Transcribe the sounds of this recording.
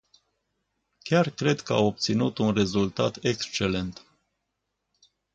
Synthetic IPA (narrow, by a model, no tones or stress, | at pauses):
kʲarkɾe̞d̪kəa̰wop̚t̪sinut̪unre̞zult̪a̰t̪ekst͡ʃe̞le̞nt̪